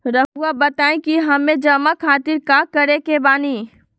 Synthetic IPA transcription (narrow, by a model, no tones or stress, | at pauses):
ɾəɦuabət̪aːẽkiɦəmẽd͡ʒəmakʰaːt̪iɾkakəɾekebaːni